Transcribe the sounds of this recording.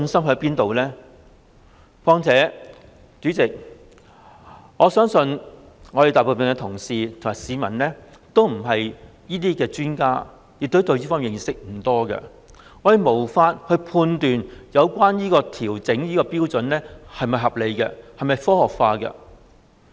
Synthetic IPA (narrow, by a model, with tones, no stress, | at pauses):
nsɐ˥mɦpiː˥nt̪o˨wlɛː˥ | fɔː˥ŋt͡sʰɛː˨˥ | t͡ʃyː˨˥t͡sɪ˨k̚ | ŋɔː˨˧sœː˥ŋsɵ˧n | ŋɔː˨˧ɾe˨jt̪aː˨˩po˨˩pɛː˨nŋɛ˧t̪ʰʊ˨˩ŋsiː˨t̪ʰo˨˩ŋmaː˨˩siː˨˧mɐ̰˨˩nlɛː˥ | t̪o˥wm̩˨˩ɦɐ˨j | jiː˥t̪iː˥kɛː˧t͡ʃyː˥nkaː˥ | jɪ˨k̚t̪o˥wt̪ɵ˧wjiː˥fɔː˥mjɪ˨˩ŋsɪ˥k̚m̩˨˩t̪ɔː˥kɛ̰˧ | ŋɔː˨˧j̪e˨˧jmo˨˩wfaː˧t̚hɵ˧pʰuː˧nt̪yː˨njɐ˨˧wkwaː˥njiː˥kɔː˧t̪ʰiː˨˩wt͡sɪ˨˥ŋjiː˥kɔː˧piː˥wt͡sɵ˨˥nlɛː˥hɐ˨jmɐ˨jɦɐ˨p̚le˨˧jkɛ˧hɐ˨jmɐ˨jfɔː˥hɔː˨˩k̚faː˧kɛ̰˧